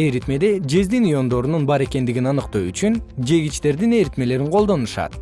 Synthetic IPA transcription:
e̞ɾit̪me̞d̪e̞d͡ʒe̞zd̪inujo̞nd̪o̞ɾununbɑɾe̞ke̞nd̪iɡinɑnɯqt̪oyt͡ʃynd͡ʒe̞ɡit͡ʃt̪e̞ɾd̪ine̞ɾit̪me̞le̞ɾiŋqʰo̞lˠd̪o̞nuʃɑ̰t̪

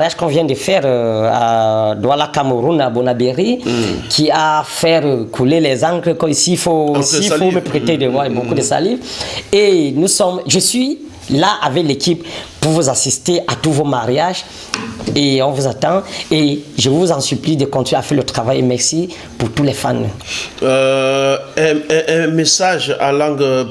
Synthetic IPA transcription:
ʁjaʒkɔ̃vjɛ̃nd̪əfɛʁa̰d̪walakaməʁunabonabeʁikʰiafɛʁkʰulelɛzãkləkɔmisifosifoməpχet̪ed̪əvwabokud̪əsa̰livenusɔmʒəsɥi | laʔavɛklekipː | uʁvuzasist̪eʔat̪uvomaʁjaʒ | eɔ̃nvuzat̪ɑ̃eʒəvuzɑ̃syplid̪əkɔ̃nt̪inafɛʁlət̪χavajemɛʁsi | puʁt̪ulɛfan | ɛ̃ʔɛ̃mesaʒã̰lɑ̃ɡ

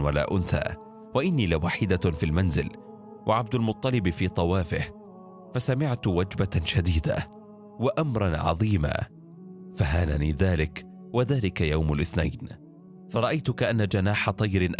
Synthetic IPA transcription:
wala̰ːʔʊnθa̰ː | waʔɪnːiːlɪwaːħɪd̪afiːlmanzɪl | wʔaʕab̚d̪almʊt̪ˤːɑlɪbfiːt̪ˤɑwaːfɪh | fasamɪʕt̪wad͡ʒbaʃad̪iːd̪a̰ | waʔamɾˤɑnʕɑ̰ðˤiːma̰ː | faɦaːlanḭːðaːlɪk | waðaːlɪkajawmalʔɪθna̰jn | fɑɾˤɑʔajt̪ʊkaʔanːad͡ʒanaːħɑt̪ˤɑjɾɪnʔ

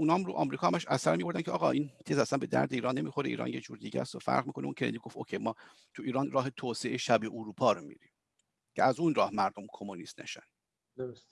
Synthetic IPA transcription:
uːnɒːmɾuʔɒ̰ːmɾiːkʰɒːhæmæʃæsæɾmiːbo̞ɾd̪æncʰeɒːɣɒːʔiːnt̪ʰeːzæsænbe̞d̪æ̰ɾd̪eiːɾɒːnːemiːxoɾeḭːɾɒ̰ːnjed͡ʒuːɾd̪iːɟæ̰st̪ofæ̰ɾʁmiːkʰoneuːncʰenḛnd̪iɡoft̪okʰejmɒː | t̪ʰuiːɾɒːnɾɒːɦe̞t̪ʰoːseʔeʃæbeʔuɾuːpʰɒːɾomḭːɾim | cʰeæzunrɒːhmæɾd̪omkʰomonist̪næ̰ʃæ̰n | d̪oos

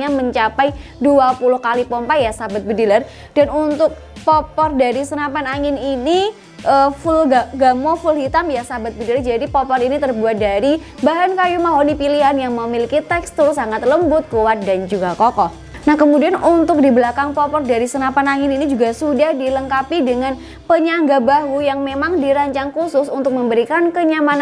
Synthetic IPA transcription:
ɲaməɲt͡ʃapaj | duapulʊhkalipɔmpajasabat̪̚bədilar | d̥anunt̪ʊk̚ | pɔpɔrdaɾisənapanaŋɪnini | ʔəfʊlɡaɡamɔfʊlhit̪amjasabat̪̚bədilard͡ʒadipɔpɔrinit̪ərbuat̪̚daɾi | baɦankajumaɦonipiliɦanjaŋməmilikit̪ɛkst̪usaŋat̪̚ləmbʊt̪̚kuwat̪̚dand͡ʒuɡakɔkɔh | nahkəmudianunt̪ʊk̚dibəlakaŋpɔpɔrdaɾisənapanaŋɪninid͡ʒuɡasudahdiləŋkapidəŋan | pəɲaŋɡabaɦujaŋmemaŋdiɾaɲt͡ʃaŋkusʊsunt̪ʊk̚məmbəɾikankəɲamana

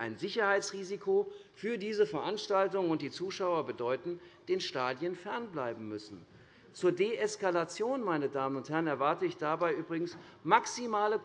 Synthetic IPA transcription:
ʔa̰ɪnzɪçɐhaɪt͡sʁiːzikʰofyːɐdiːzəfɛɐʔanʃtaltʊŋənʊntd̥iːt͡suːʃaʊɐbədɔʏtn̩d̥eːnʃtaːdjənfɛɐnblaɪbm̩mʏsn̩ | t͡suːɐdeːʔɛskalat͡sjoːnmaɪnədaːmənʊnthɛɐənɛɐvaɐtəɪçd̥abaɪʔyːbʁɪɡŋ̩s | maksimaːlə

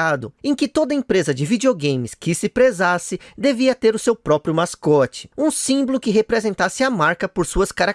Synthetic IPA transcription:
ad̪ʊẽkɪt̪od̪ɐẽpɾezɐd͡ʒɪvid͡ʒioɡẽj̃mɪskɪsɪpɾezasɪd̪eviɐt̪eɾʊsewpɾɔpɾjʊmaskɔt͡ʃɪ̥ũsĩbolʊkɪɦepɾezẽnt̪asɪɐmaɾkɐpoɾsuɐskaɾa

